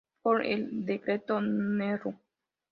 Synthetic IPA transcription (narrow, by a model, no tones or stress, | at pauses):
poɾḛld̪ekɾet̪oneɾu